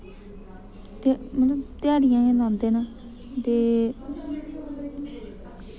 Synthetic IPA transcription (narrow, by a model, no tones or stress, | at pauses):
t̪ːmələbt̪ɪjaːɽɪjãːɡẽːlãːnd̪eːnaː | t̪eː